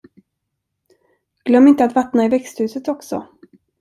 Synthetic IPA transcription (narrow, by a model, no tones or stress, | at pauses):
ɡ̥lœmːɪnt̪əat̪vat̪naɪvɛkst̪hʉ̟ːsət̪ɔksɔ̰